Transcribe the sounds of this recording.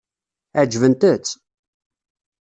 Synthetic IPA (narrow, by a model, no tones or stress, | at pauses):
æd͡ʒvənt̪ət͡sː